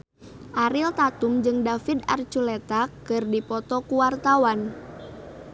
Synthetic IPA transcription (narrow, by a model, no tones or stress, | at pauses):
ʔaɾilt̪at̪umd͡ʒɨŋdafidart͡ʃulɛt̪akɨrdipɔt̪ɔkuwart̪awan